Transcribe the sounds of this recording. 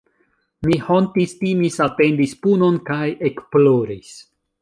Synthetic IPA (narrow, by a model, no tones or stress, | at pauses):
mihontistimisate̞ndispuno̞nkajekploɾis